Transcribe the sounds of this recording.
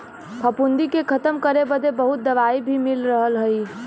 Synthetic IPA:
pʰəpund̪ikekʰət̪əmkəɾebəd̪ebəɦut̪̚d̪əʋaibʱimilɾəɦəlɦəj

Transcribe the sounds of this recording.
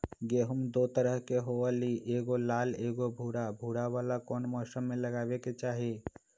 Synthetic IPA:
ɡeːɦumd̪ot̪əɾəɦkeɦoaliʔeːɡolaːleːɡobʱuːɽabʱuɽawaːlakɔːnmɔːsəmːeləɡaːbeket͡ʃaːɦe

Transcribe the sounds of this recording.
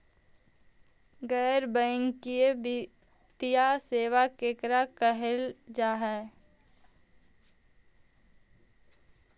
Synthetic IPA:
ɡɛːɾbɛ̃ːŋkieb | t̪ijaseːʋakeːkɾakəɦeld͡ʒaːɦɛː

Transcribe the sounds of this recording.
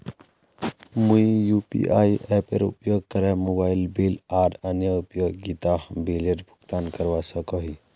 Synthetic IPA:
mujjupḭʔa̰jɛpeɾṵpjoɡ̚kəɾɛmobajlbilaʈənjəupjoɡɡit̪aɦbileʈbʱukt̪ankəɾʋasəkɔɦi

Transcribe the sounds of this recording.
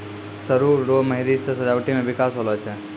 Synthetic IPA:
səɾuːoməɦiɾisesəd͡ʒawʈimebikasɦolɛt͡ʃʰɛ

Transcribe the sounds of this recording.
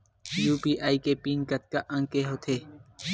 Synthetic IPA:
juːpiːʔaːiːkepiːnkət̪̚kaʔə̃ŋkeɦoːt̪ʰeː

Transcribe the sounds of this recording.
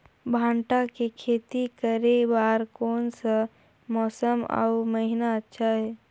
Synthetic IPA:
bʱãɳʈakekʰeːt̪ikəɾebaɾkoːnsə | mɔːsəma̰uməɦinaətːʃʰaɦɛː

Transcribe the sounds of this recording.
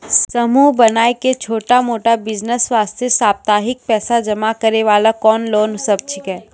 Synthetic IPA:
ssɐmuːbɐnaːeket͡ʃʰoːʈamoːʈabɪd͡ʒnəsʋaːst̪ʰesaːb̚t̪aːɦɪk̚pɛːsad͡ʒɐmakɐɾeʋaːlakɔːnloːnsɐb̚t͡ʃʰɪkɛː

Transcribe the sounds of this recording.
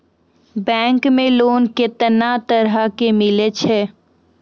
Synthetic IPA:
bɛ̃ːŋkmẽloːnkɪt̪nat̪əɾɦakemɪlet͡ʃʰeː

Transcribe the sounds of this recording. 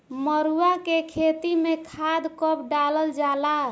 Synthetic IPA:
məɾuakekʰet̪imekʰad̪kəp̚ɖaləld͡ʒala

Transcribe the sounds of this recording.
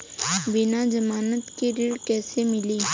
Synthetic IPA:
bɪnad͡ʒɐmaːnət̪kiɾiːɽkɛːsemɪliː

